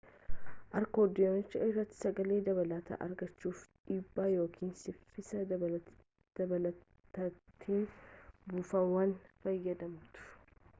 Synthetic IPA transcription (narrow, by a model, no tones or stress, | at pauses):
ʔɐɾkoːd̪ɪont͡ʃːɐɪrːɐt̪ːɪ̥sɐɡɐleːd̪ɐβɐlaːt̪ɐ̰ʔɐ̰ɾɡɐt͡ʃːuːfᶑiːbːaːjo̞ːkʰiːnsɪfɪsɐ | d̪̥ɐbɐlɐ | t̪ɐt̪ʰːiːnbuːfɐwɐnfɐjːɐd̪ɐmt̪ʊ̥